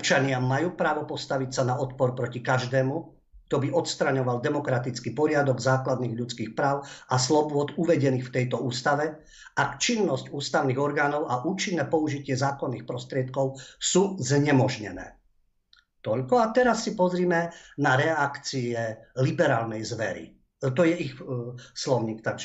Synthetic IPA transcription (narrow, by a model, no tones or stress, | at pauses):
ɔp̚t͡ʃaɲɪamːajuːpɾaːʋɔpɔst̪aʋicsanaɔt̪̚pɔɾpɾɔcikaʒd̪ɛːmu | ɡ̚t̪ɔbiʔɔt̪st̪ɾaɲɔʋald̪ɛmɔkɾat̪it͡skipɔɾɪad̪ɔɡzaːklad̪niːɣʎut͡skiːxpɾaːʊaslɔbʊɔt̪uʋɛɟɛniːxft̪ɛjt̪ɔuːst̪aʋɛ | ʔakt͡ʃinːɔscuːst̪aʊniːɣɔɾɡaːnɔʊʔaʔuːt͡ʃinːɛːpɔuʒicɪɛzaːkɔnːiːxpɾɔst̪ɾɪɛt̪kɔʊsuːzɲɛmɔʒɲɛ̰nɛ̰ː | t̪ɔʎkɔat̪ɛɾasːipɔzɾiːmɛnaɾɛakt͡siɛlibɛɾaːlnɛjzʋɛɾḭ | t̪ɔjɛixslɔʊɲiːk̚t̪aɡʒɛ